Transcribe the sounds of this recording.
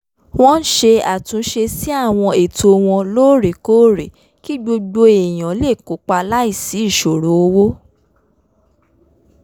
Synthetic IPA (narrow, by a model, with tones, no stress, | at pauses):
w̃ɔ̃˦n̩˦ʃe˧a˨tũ˨˧˦ʃe˧si˦a˦˨w̃ɔ̃˧e˨to˧w̃ɔ̃˧loː˦˨ɾe˨ko˦˨ɾe˨ | ki˦ɡ͡bo˧ɡ͡bo˧e˨j̃ã˨˦le˦˨ko˨˦k͡pa˧la˦i˦˨si˨˦i˦˨ʃo˨ɾo˨˦o˧wo˦